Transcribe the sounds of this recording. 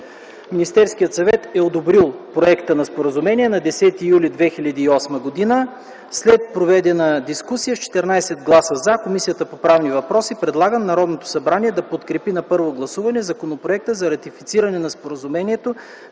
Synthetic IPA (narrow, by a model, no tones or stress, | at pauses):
minist̪ɛɾskijət̪sɐvɛt̪ɛod̪obɾilˠpɾoɛkt̪ənɐspoɾəzumɛniɛnɐd̪ɛsɛt̪iːjulʲid̪vɛxilʲɐd̪iːɔsməɡod̪inə | slɛt̪̚pɾovɛd̪ɛnəd̪iskusijəft͡ʃɛ̥t̪ɛɾnajsɛd̪ɡlˠasəzakomisijət̪əpopɾavnivɐpɾɔsipɾɛd̪lˠaɡəmnɐɾɔd̪not̪o̥sɐbɾaniɛd̪ɐpot̪kɾɛpinɐpɤɾvoɡlˠɐsuvɐnɛzɐkonopɾoɛk̚t̪əzɐɾɐt̪ifit̪siɾɐnɛnɐspoɾəzumɛniɛt̪o